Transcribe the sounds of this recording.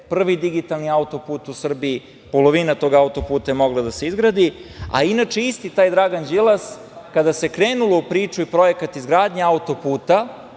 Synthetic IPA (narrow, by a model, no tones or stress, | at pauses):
pr̩ʋid̪iɡit̪alˠniaut̪o̞puːt̪usr̩bii | po̞lo̞ʋinat̪o̞ːɡaut̪o̞puːt̪ajemo̞ɡlˠad̪ase̞izɡɾad̪ia̰inat͡ʃeist̪it̪aːjd̪ɾaːɡand͡ʒilˠas | kad̪ase̞kɾe̞ːnulo̞upɾiːt͡ʃuipɾo̞je̞kat̪izɡɾaːd̪ɲeaut̪o̞puːt̪a